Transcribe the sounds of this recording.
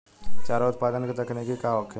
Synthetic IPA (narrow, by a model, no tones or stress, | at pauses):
t͡ʃaːɾaʊt̪̚paːd̪ənket̪ɐkʰnekikaːɔkʰː